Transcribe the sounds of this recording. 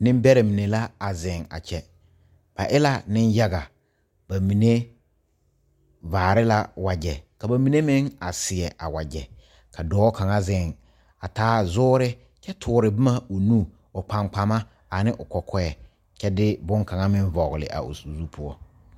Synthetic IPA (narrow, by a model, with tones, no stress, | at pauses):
nɪ̃˦m˦bɛ˦ɾe˨mi˨ne˨la˦a˨zɪ˨ŋa̰˨t͡ʃɛ˦ | b̥a˨ʔɪ˦la˦nɪ˦nja˦ɡa˨ | ba˨mi˨ne˦ | vaː˨ɾɪ˦la˦wa˨d͡ʒɛ˨ka˨ba˨mi˨ne˦mɪ̃˦ŋa̰˨sɪ˨ɛ˨ʔa̰˨wa˨d͡ʒɛ˨ | kʰa˨dɔː˨˦ka˨ŋa˦zɪ˨ŋ | a˨taː˨˦zʊː˦ɾɪ˦ | t͡ʃɛ˦tʰʊː˨˦ɾɪ˨bɪ˦ma˦o˨nu˦ | ʊ˨k͡pa˨ŋ͡mk͡pa˨ma˦ | a˨nɪ˦ʔʊ˨kɔ˨kʰɔ˦ɛ˨ | t͡ʃɛ˦dɪ˦bʊ˦ŋka˨ŋa˦mɪ̃˦n˦vɔ˨ɣlɪ̰˨ʔa̰˨o̰˨su˨zu˦pʰʊ˦ɔ˦